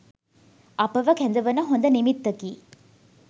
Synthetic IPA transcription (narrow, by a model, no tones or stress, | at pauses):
ʔɐpɐʋɐkɛnd̪ɐʋɐnɐɦond̪ɐnimit̪ːɐkiː